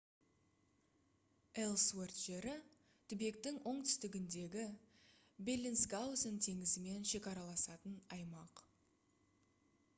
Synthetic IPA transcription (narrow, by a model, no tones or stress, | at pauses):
elˠswert̪ʒe̞ɾɪ | t̪ʰʏbe̞k̚t̪ɪŋʔo̞ɴt̪ʰʏ̥st̪ɪɡʲɪnd̪e̞ɡʲɪ | belʲːinsɡawzɪnt̪ʰe̞ŋɪzɪme̞nʃe̞kʲɑɾɑlˠɑsɑt̪ənɑjmɑq